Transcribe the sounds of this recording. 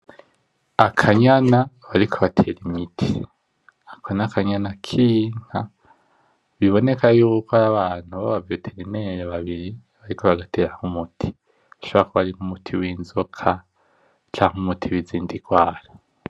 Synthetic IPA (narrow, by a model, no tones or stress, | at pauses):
akʰaɲanaβaɾikʰoβatʰeɾimitʰi̥ | akʰonakaɲanakʰiːŋ̥ha | βiβo̞ne̞kajuːukaɾaβaːn̥huβaβavjotʰeɾineɾeβaβiɾi | βaɾikoβaɡatʰeːɾahumutʰi̥ | aʃoβaakoβaɾiŋumutʰiwiːnzokʰa | t͡ʃaŋumutʰiwiziːndiɡwaːɾa